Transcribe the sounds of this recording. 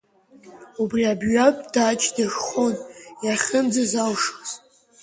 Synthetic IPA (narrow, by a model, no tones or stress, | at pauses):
ubriabʒɥapʼdat͡ʃʰʼdaʒχo̞njaχʲənd͡zazalʂoz̥